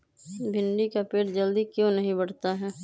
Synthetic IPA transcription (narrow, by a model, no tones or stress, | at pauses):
bʱɪnɖikapeːʈd͡ʒɐld̪ikjõnɐɦĩbɐɽt̪aɦɛː